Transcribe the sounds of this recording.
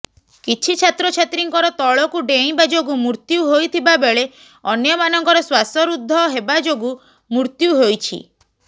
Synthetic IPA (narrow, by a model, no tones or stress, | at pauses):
kit͡ʃʰit͡ʃʰat̪ɾɔt͡ʃʰat̪ɾiŋkɔɾɔt̪ɔɭɔkuɖẽĩbad͡ʒoɡumuɾt̪juɦojt̪ʰibabeɭe | ɔnjɔmanɔŋkɔɾɔswasɔɾud̪ʱːɔɦebad͡ʒoɡu | muɾt̪juɦojt͡ʃʰḭ